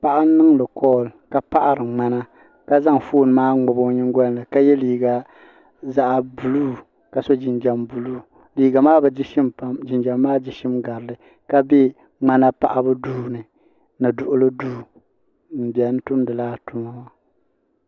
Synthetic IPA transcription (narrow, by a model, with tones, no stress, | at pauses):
pa˨ʔa˦nːɨ˦ŋlɨ˨kɔː˦lka˨pa˦ʔa˦ɾɨ˨ŋ͡ma˦na˦ | ka˦za˦ŋfoː˦˨n˨maː˦ŋ͡mɔ˨bo˦ɲɪ˦ŋ˦ɡɔ˦n˨lɨ˨ka˦jɛ˦liː˨ɡa˨ | za˦ʔbu˨luː˦ | ka˨so˦d͡ʒɪ˨nd͡ʒa˨mbu˨luː˦˨ | liː˨ɡa˨maː˦bɛ˨d͡ʒʃɪ˦ma˦d͡ʒɪ˨nd͡ʒa˨mːaː˦d͡ʒɪ˨ʃɪ˦mɡa˨ɾɨ˨lɨ˨ | ka˦bɛ˦ | ŋ͡ma˦na˦pa̰˨ʔa˦bɨ˦duː˦nɨ˨ | nɨ˨dʊ˨ʔʊ˦lɨ˦duː˦ | m̩˨bi˨ɛ˨n̩˦tʊ˦mdɨ˨laː˦tʊ˨˦ma˦ma˦